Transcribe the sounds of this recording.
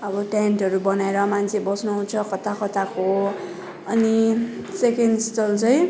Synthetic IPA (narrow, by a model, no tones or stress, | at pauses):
ʌbʌʈanʈɦʌɾubʌnaeɾʌmant͡sʰebʌsnuɦũt͡sʰʌkʌt̪akʌt̪ako | ʌni | sekenɖsʈʌlt͡sʌj̃